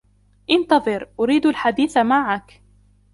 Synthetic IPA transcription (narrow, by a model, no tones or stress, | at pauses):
ʔɪnt̪ɑðˤɨɾʔʊɾiːd̪alħad̪iːθamaʕak